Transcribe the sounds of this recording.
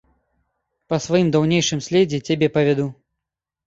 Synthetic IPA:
pɐsvɐjimd̪awnʲejʂɨmsʲlʲed͡zʲɛt͡sʲabʲɛpɐvʲad̪u

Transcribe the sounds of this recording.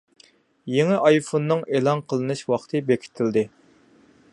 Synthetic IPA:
jeŋɪʔɑjfonːɨŋeːlˠɑnqʰəlˠɨnɨʃwɑχt̪ʰɨbekʲʰi̥t̪ʰɪld̪ɪ

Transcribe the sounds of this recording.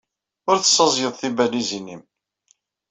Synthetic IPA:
ʊɾθə̥sːɑzˤjəðˤθibælizinim

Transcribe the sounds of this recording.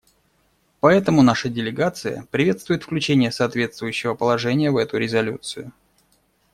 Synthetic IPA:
pɐɛt̪əmʊnaʂədʲɪlʲɪɡat̪sɨjə̰pɾʲɪvʲe̞t̪st̪vʊjɪt̪fklʲʉt͡ɕenʲɪjəsɐːt̪vʲe̞t̪st̪vʊjʉɕːɪvəpəlˠɐʐɛnʲɪjəvɛt̪ʊɾʲɪzɐlʲṵt̪sɨjʊ

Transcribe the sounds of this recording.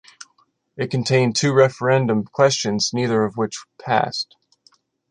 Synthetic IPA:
ɨt̚kʰɨ̃ntʰẽɪ̃ntʰʉɹɛfə˞ɛ̃ndɨ̃mkʰw̥ɛst͡ʃɨ̃nzniðə˞ʌvwɪt͡ʃpʰæ̰st̚

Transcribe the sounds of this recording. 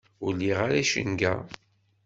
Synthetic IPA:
ʊlːiʁaɾæʃə̰nɡæ

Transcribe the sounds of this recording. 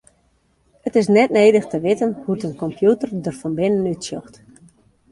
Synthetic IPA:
ətɪsnɛt̚neːdəxtəʋɪtənhutənkɔmpʰjutərdərfɔnbɪnənytsjɔxt

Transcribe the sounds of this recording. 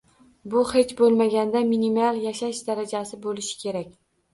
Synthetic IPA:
bʊhe̞t͡ʃbolˠmaɡʲand̪aminimalˠjaʃaʃd̪aɾad͡ʒasɪbolɪʃɪ̥kʲʰe̞ɾakʲ

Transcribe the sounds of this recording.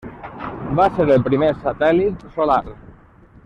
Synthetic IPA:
baseɾelˠpɾimesat̪ɛlit̪solaɾ

